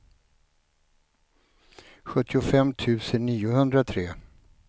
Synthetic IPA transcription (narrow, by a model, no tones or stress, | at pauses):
ɧɵt̪ːɪʊfɛmt̪ʰʉ̟ːsənːiːʊɦɵnd̪ɾat̪ʰɾeː